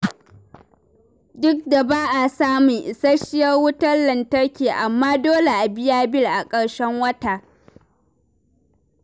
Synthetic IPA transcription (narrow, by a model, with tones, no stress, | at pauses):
dʊ˦k̚da˨baː˦ʔa˨saː˦miː˨ʔsɐ˦ʃɪ˦jɐ˦rwʊ˦tɐ˦rlɐ˨ntɐ˦ɽkʲeː˨ʔa˨mːaː˦doː˦le˨ʔa˨bɪ˦jaː˦bɪ˦lʔa˨kʼɐ˨ɽʃɛ˦ŋwɐ˦taː˨